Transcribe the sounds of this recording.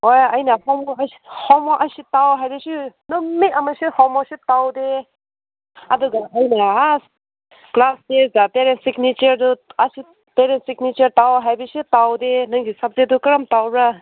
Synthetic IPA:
hojɐjnahɔmɔshɔmaʔasitawɦajbasinɔmiamasihɔmasitawde | ɐ̰duɡaɐjnaɦas | klasdezapeɾensiknit͡ʃɐɾduasi | peɾensiknit͡ʃɐɾtawɦajbasitawdenɯŋɡisap̚zedukaɾamtawbɾa

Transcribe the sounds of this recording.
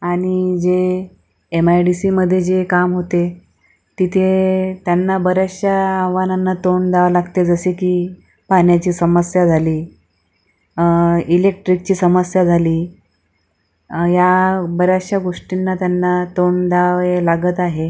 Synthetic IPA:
aɽ̃id͡zeː | majɖisiːməd̪ʱːjed͡ʑekamɦot̪e | t̪it̪ʰet̪janːabəɾjaɕjaːʋananːat̪oɳd̪aʋlaɡt̪ed͡zəsekiː | panjat͡ɕiːsəməsjad͡zʱaliː | ilek̚ʈɾik̚t͡ɕiːsəməsjad͡zʱaliː | jabəɾjaɕjaɡoʂʈinːat̪janːat̪oɳd̪aʋelaɡət̪aɦe

